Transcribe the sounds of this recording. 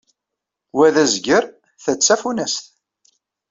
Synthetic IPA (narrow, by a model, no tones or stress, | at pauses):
wæðæzɡəɾ | θət͡sːæfunæsθ